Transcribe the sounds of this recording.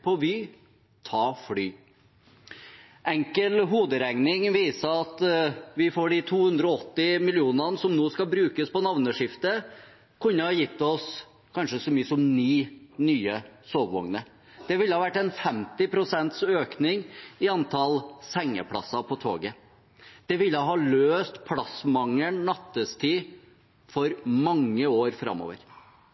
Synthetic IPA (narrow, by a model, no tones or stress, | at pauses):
pʰɔʋyː | t̪ʰɑːfɽyː | ʔɛŋkəlɦuːd̪əɾɛŋnɪŋʋiːsəɑt̪ʋɪfoːɖɪt̪ʰuːhʉnd̪ɾɔɔɔt̪ːɪmɪlɪuːnənsɔmnoːskɑlbɾʉːkəspɔnɑʋnəʂɪft̪ə | kʰʉnːəhɑjɪt̪ːɔs | kʰɑnʂəsɔmyːəsɔmnyːnyːəsoːʋʋɔ̰ŋnə | d̪̥ɛʋɪlːəhɑːʋæʈːɛnfɛmt̪ɪpʰɾʊsɛnt̪søːknɪŋɪɑnt̪ʰɑlsɛŋːə̰pʰlɑ̰sːɑpʰɔt̪ʰo̰ːɡə | d̪̥ɛʋɪlːəɦɑːløːst̪pʰlɑsmɑŋəɳːɑt̪ːəst̪ʰiː | fɔɾmɑŋːəoːɾfɾɑ̰mːo̰ːʋə̰ɾ